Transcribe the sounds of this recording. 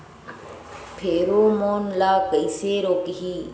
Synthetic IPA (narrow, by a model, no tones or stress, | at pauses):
pʰeːɾoːmoːnlaːkəiseːɾoːkɦiː